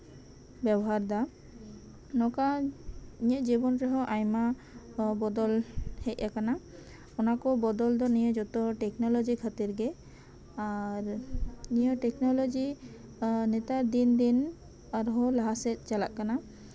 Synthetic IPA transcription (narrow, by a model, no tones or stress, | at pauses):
bɛbɔɦaɾd̪a | nɔka | iɲəʔd͡ʒibɔnɾɛɦɔʔajma | bɔd̪ɔlhɛc̚ˀakana | ɔnakɔbɔd̪ɔld̪ɔnijəd͡ʒɔt̪ɔʈɛknɔlɔd͡ʒikʰat̪iɾɡɛ | aɾnijɔʈɛknɔlɔd͡ʒi | nɛt̪aɾd̪ind̪in | aɾɦɔlaɦasɛt̪̚ˀt͡ʃalaʔkana